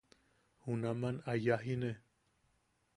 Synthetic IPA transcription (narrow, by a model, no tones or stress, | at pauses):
hunamãnajaɦine